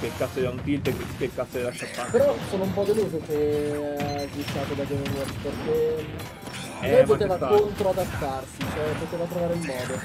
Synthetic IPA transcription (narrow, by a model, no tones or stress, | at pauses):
pekːasːod̪aunt̪ilt̪ekepekːasːod̪elaʃapːapeɾɔsoːnoumpɔd̪eluːzokeazvit̪ːaːt̪od̪ad͡ʒeɾeɾorsperk̟e | lɛjpot̪eːvakont̪ɾoad̪at̪ːarsit͡ʃoɛpot̪eːvat̪ɾovaːɾeimːɔːd̪o